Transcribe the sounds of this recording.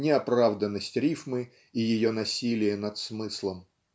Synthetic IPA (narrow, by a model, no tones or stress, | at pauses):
nʲɪɐpɾavd̪ənːəsʲtʲɾʲifmɨ | ijɪjo̞nɐsʲilʲɪjənɐt̪smɨslˠəm